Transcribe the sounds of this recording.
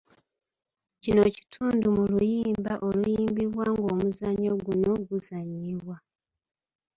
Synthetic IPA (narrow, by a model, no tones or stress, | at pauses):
cino̞ci̥tʰuːndumulujiːmbaʔo̞lujiːmbiβwaŋɡoːmuzaɲo̞ɡuno̞ɡuzaɲːiβwa